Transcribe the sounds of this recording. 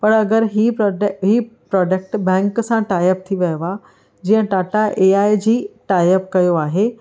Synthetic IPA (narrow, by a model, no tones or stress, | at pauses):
pɐɽɐɡəɾɦiɦipɾɔːɖək̚ʈbɛ̃ːŋksãʈaːjəp̚t̪ʰiʋɐjʋa | d͡ʑiːə̃ʈaːʈaʔeaːed͡ʑiːʈaːjəpkɐjoaːɦe